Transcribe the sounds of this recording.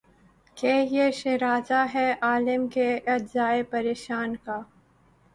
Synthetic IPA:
keːjeʃeɾaːzaɦɛʔaːlɪmkeʔɐzaːepɐɾeːʃaːnkaː

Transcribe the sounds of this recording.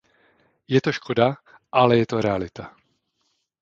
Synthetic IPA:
jɛt̪o̞ʃkʰoda | ʔalɛjɛt̪o̞ɾɛalɪt̪a

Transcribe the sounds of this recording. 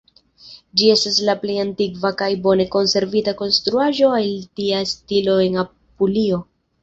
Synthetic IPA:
d͡ʒie̞stas̬laple̞jantiɡvakajbo̞ne̞ko̞nse̞ɾvitako̞nstɾuaʒo̞altiastilo̞e̞na | pulio̞

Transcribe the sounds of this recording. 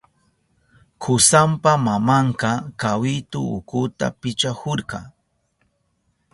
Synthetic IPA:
kʰʊsampamamɑɴqɑkawɪt̪ʊʊ̰kʊt̪a̰pɪt͡ʃahoɾqɑ̰

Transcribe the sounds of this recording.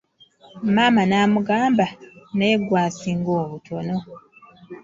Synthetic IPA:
m̩maːmanaːmuɡaːmbanajeɡwaːsiŋɡoːβutʰo̞no̞

